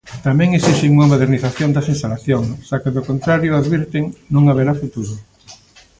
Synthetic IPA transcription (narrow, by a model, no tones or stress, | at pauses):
t̪amɛ̃ŋesiʃɪŋuŋɐmoðeɾniθaθjond̪ɐsinst̪alaθjoŋʃakeðokont̪ɾaɾjʊaðβiɾt̪eŋnũŋaβ̞eɾafut̪uɾʊ